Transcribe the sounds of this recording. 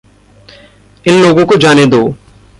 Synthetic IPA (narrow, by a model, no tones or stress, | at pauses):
ɪnloːɡõkod͡ʒaːned̪oː